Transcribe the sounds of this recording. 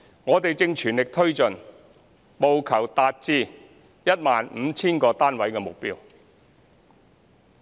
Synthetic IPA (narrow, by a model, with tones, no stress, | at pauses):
ŋɔː˨˧t̪e˨jt͡sɪ˧ŋt͡ʃʰyː˨˩nlɪ˨k̚t̪ʰɵ˥ɥt͡sɵ˨n | mo˨wkʰɐ˨˩wt̪aː˧t̚t͡siː˧ | jɐ˥t̚maː˨nm̩˨˧t͡sʰiː˥nkɔː˧t̪aː˥nwɐ˨˥jkɛː˧mʊ˨k̚piː˥w